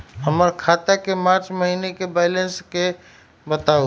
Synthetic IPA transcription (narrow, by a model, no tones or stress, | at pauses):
ɦəməɾkʰaːt̪akemaːt͡ʃməɦinekebaɪlənske | bət̪ao